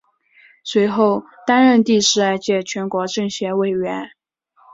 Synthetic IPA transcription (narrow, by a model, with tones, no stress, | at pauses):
swe˧˥ɪxo˥˩ʊ | t̪a˥nɻə˥˧nt̪i˥˧ʂɻ̩˥˧a˥˧ɪt͡ɕjɛ˥˩t͡ɕʰɥɛ˧˥nkwɔ˧˥ʈ͡ʂɤ˥˩ŋɕjɛ˧˥we˥˩ɪɥɛ˧˥n